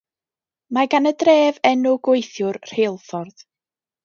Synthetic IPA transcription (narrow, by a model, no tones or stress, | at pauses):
maɡanədreːvɛnʊɡwʊjθjʊrr̥eːlˠfɔrð